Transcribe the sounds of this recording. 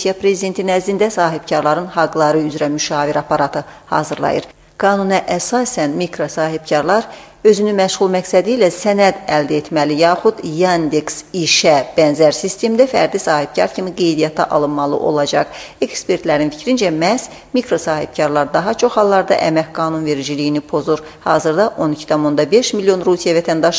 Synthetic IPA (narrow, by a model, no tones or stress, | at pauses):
sijɑpɾe̞zid̪e̞nt̪ʰinæzlind̪æsɑːɦib̥cʰɑɾlˠɑɾɯnhɑɡlˠɑɾɯyzɾæmyʃɑːviɾɑpʰɑɾɑt̪ʰɯhɑ̰ːzɯɾlˠɑ̰jɯɾ | ɡ̥ɑːnunɛʔæsɑːsænmikɾosɑːɦib̥̚cʰɑɾlˠɑɾø̞zynynmæʃʁulˠmæksæd̪iːlæsænæd̪æld̪æet̪ʰmælijɑːχud̪jand̪eksiʃæb̥ænzæɾsist̪ʰe̞md̪æfæ̰ɾd̪isɑːhib̥̚cʰɑɾcʰimiɡe̞jd̪ijɑt̪ʰɑ̰ʔɑlˠɯnmɑlˠɯ̰ʔo̞̰lˠɑd͡ʒɑʁ | ekspe̞ɾt̪læɾinfi̥cʰɾind͡ʒæmæs | mikʰɾo̞sɑːhib̚cʰɑɾlˠɑɾd̪ɑɦɑt͡ʃʰo̞χhɑlˠːɑɾd̪ɑ̰ʔæmæçɡɑːnunve̞ɾd͡ʒilijinipʰo̞zuɾ | hɑ̰ːzɯɾd̪ɑʔo̞nicʰi̥t̪ʰɑmo̞nd̪ɑbe̞ʃmilːjo̞nɾusijɑvæt̪ʰænd̪ɑʃ